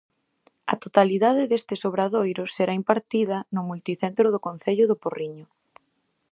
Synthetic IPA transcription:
ɐ̰t̪ot̪aliðaðɪðest̪ɪsoβɾaðojɾʊseɾaimpaɾt̪iðɐnʊmult̪iθent̪ɾʊðʊkõn̟θeʎʊðʊporiɲʊ

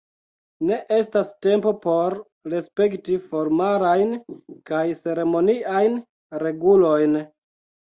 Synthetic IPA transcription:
ne̞ʔe̞staste̞mpo̞po̞ɾ | ɾe̞spe̞ktifo̞ɾmalajnkajse̞ɾe̞mo̞niʔajn | ɾe̞ɡulo̞jn

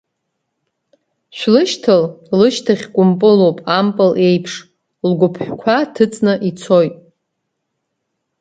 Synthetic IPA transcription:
ʃʷᶣlɨʃtʰɨllɨʃtʰaχʲkʷʼʊmpʼɨlowpʼampʼɨle̞jpʰʂ | lɡʷʊpʰħʷᶣkʷʰatʰɨt͡sʼnɨʔit͡sʰojtʼ

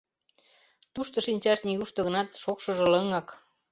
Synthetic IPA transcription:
t̪uʃt̪ŏʃinʲt͡ɕɑʃniɣuʃt̪ɤ̆ɣɤ̆nɑt̪ʃokʃɤ̆ʒɤ̆lɤŋɑk

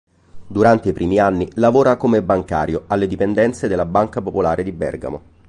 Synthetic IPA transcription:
d̪uɾant̪eipɾiːmianːilavoːɾakomebːaŋka̰ːɾjoalːed̪ipend̪ɛnt̪sed̪elːabaŋkapopolaːɾed̪ibɛ̰rɡa̰mo̰

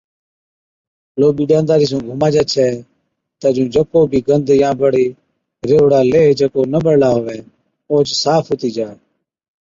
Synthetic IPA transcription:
loːɓiːɗãːnd̪aːɾiːs̬ũːɡʱʊmaːd͡ʒaːt͡ʃʰɛː | t̪əd͡ʒũːd͡ʒəkoːbʱiːɡənd̪jãːbəɽiː | ɾeːɽaːleːd͡ʒəkoːnəɓəɽlaːɦoːʋɛː | oːt͡ʃsaːpʰɦoːt̪iːd͡ʒaː

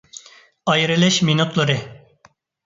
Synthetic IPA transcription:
ɑjɾɨlɛʃminut̪lˠɑɾɨ

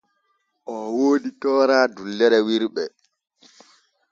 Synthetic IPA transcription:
ʔɔwoːditɔːɾaːdulːɛɾɛwiɾɓɛ

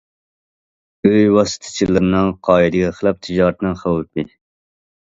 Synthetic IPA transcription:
øjwɑsɨ̥t̪ʰɨ̥t͡ʃʰilːɨɾnɨŋqʰɑːid̪ɪɡʲɛχlˠɑp̚t̪ʰɪd͡ʒɑːɾt̪ʰnɨŋχɑwt̪bi

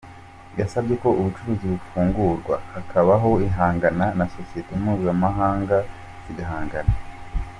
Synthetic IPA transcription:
jasabɟe̞ko̞uβut͡ʃuɾuːziβufuːŋɡuɾɡwa̰hakʰaβaɦo̞iɦaːŋɡananasosiitemumuːzamaɦaːŋɡa | ziɡaɦaːŋɡana

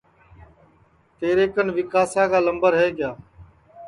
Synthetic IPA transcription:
t̪eːɾeːkənʋɪkaːsãːkaːləmbəɾɦeːɡɪjaː

